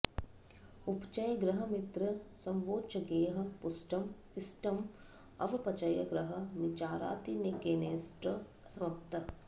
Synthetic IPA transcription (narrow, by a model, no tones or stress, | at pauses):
upt͡ʃɐjɡɾɐɦɐmɪt̪ɾɐsɐmʋoːt͡ʃɐɡeːɦɐ̆pʊsʈɐm | ɪsʈɐm | ɐ̰ʋɐpɐt͡ʃɐjɐɡɾɐɦɐ̆nit͡ʃaːɾa̰ːt̪inekeːneːsʈɐ | sɐmɐp̚t̪ʰɐ